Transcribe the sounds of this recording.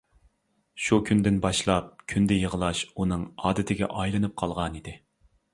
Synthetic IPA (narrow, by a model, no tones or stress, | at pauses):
ʃukʲʰynd̪ɪnbɑʃlˠɑp̚kʲʰynd̪ɛjəʁəlˠɑʃunɨŋɑːd̪ɪt̪ʰɪɡʲɛ̰ʔɑjlˠɨnɨp̚qʰɑlˠʁɑnid̪ɪ